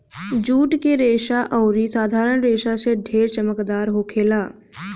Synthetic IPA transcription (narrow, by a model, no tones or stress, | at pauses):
d͡ʒuːʈkeɾeːʃaʔɔʊɾisaːd̪ʱaːɾəɽ̃ɾeːʃaseɖʱeːɾt͡ʃəməkd̪aːɾɦoːkʰeːlaː